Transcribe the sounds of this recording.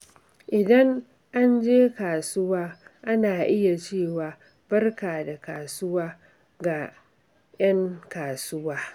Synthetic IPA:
ʔɪ˨dɐ˦ŋ | ʔa˦nd͡ʒeː˦kaː˨sʊ˦waː˦ʔa˦naː˨ʔɪ˦ja˨t͡ʃeː˦˨waː˨ | bɐ˦rkaː˨da˨kaː˨sʊ˦waː˦ | ɡa˨ | j̰ɐ˦ŋkaː˨sʊ˦waː˦

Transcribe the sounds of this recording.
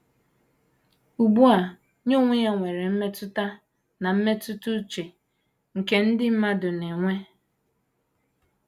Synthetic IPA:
u˨ɡ͡bu˦a˨ | ɲo˦ŋʷʊ˦ja˦ŋʷe˨ɾe˨m̩˦me˦tʊ˦ta˦ | na˨m̩˦me˦tʊ˦tu˦t͡ʃe˨ | ŋ̩˨ke˦n̩˦dɪ˦m̩˦ma˦dʊ˨ne˨ŋʷe˦

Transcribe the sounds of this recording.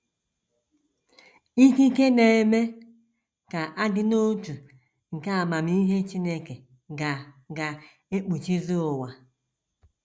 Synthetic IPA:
i˦ki˦ke˦ne˨e˨me˦ | ka˨ʔa˦dɪ˦no˦tu˨ | ŋ̩˨ka˦a˨ma˨mi˦i˦ɦe˦t͡ʃi˦ne˦ke˨ | ɡa˨ | ɡa˨ | e˦k͡pu˨t͡ʃi˦zo˦ʊ˨wa˨

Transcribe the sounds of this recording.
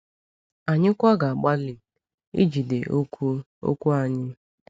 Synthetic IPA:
a˨ɲɪ˦kʷa˦ɡa˨a˨ɡ͡ba˦li˨ | ḭ˦d͡ʒi˨de˨ʔ | o̰˦kʷu˦a˨ɲɪ˦

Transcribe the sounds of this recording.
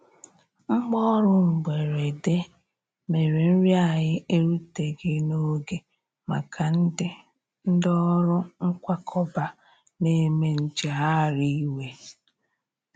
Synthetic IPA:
ŋ͡m̩˦ɡ͡bɔ˦ɾʊ˦ŋ͡m̩˨ɡ͡be˨ɾe˨de˦ | me˨ɾe˨n̩˦ɾja˨ɲɪ˦ʔe˦ɾu˦te˨ɡɪ˦no˦ɡe˨ | ma̰˨kʰa˨n̩˦dɪ˦ | n̩˦dɔ˦ɾʊ˦ŋ̩˦kʷa˦kʰɔ˦ba˨ | ne˦me˦n̩˦d͡ʒa˨ɦa˦˨ɾi˦we˨

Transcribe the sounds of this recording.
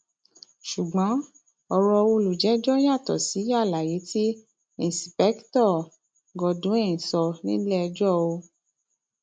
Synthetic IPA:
ʃu˨ɡ͡bɔ̃˨˦ | ɔ˧ɾɔ˧wo˧lu˨d͡ʒɛ˨˦d͡ʒɔ˦ja˦˨tɔ˨si˨˦ja˦˨la˨je˨˦ti˦ | ĩ˦˨si˨pɛ˦ktɔ˦˨ | ɡɔ˧dũ˨˦e˦˨ĩ˨sɔ˧nĩ˦lɛ˦˧d͡ʒɔ˦˨o˧

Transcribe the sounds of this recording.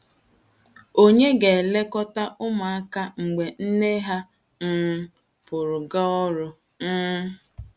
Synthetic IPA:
o˦ɲe˦ɡe˨le˦kɔ˦ta˦ʔʊ˦ma˨a˦ka˦ŋ͡m̩˨ɡ͡be˨n̩˦ne˦ɦa˦ | n̩˦ | pʊ˨ɾʊ˨ɡa˦ɔ˦ɾʊ˦ | n̩ː˦

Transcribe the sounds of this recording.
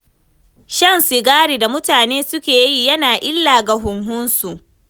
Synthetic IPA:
ʃɐ˦˨nsɪ˨ɡaː˦ɽiː˨da˨mʊ˦taː˨neː˦sʊ˦kʲeː˨ji˦jɐ˦naː˨ʔɪ˦lːaː˨ɡa˨ɦʊ˨ŋhʊ˦nsu˨ʔ

